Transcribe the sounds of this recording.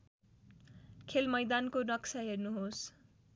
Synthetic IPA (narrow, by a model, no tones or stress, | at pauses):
kʰelmʌjd̪ankonʌksʰaɦernuɦos